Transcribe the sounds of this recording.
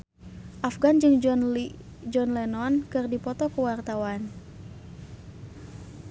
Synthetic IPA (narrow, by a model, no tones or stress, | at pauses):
ʔafɡand͡ʒɨŋ | d͡ʒɔnlɛnɔnkɨrdipɔt̪ɔkuwart̪awan